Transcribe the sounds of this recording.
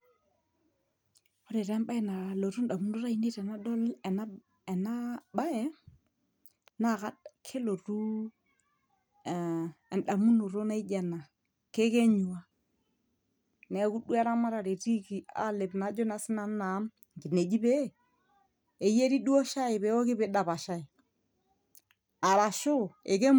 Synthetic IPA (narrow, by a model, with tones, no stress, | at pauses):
ɔ˦ɾe˨ɾɛ˦mba˦ɛ˦na˨lo˨ɾu˦n˦ɗa˨mu˦nu˦ɾa˦i˦ne˦ɾɛ˨na˦dɔ˦lɛ˨na˦ | ɛ˨na˦ɓa˦ɛ˦ | na˦˨ka˦kʰe˦lo˨ɾu˦˨ | ɛ˨n˨ɗa˨mu˦nu˨ɾo˦na˦i˦d͡ʒɛ˨na˨ | ke˦ke˦ɲu˨wa˦ | nɛ˨˦ku˦du˦ɛ˦ɾa˦ma˦ɾa˨ɾe˨ɾi˦ki˨a̰˦le˨bna˨˦d͡ʒɔ˦na˨sɪ˦na˦nːa˨˦m˨ | ɡi˨ne˨d͡ʒi˦be˦ | e˨je˦ɾi˦du˦o˦ʃa˦ɪ˨bɛ˨˦ɔ˦kɪ˦bɛ˨˦da˨ba˨ʃa˦i˨ | a˨ɾa˨ʃu˦ḛ˨ke˦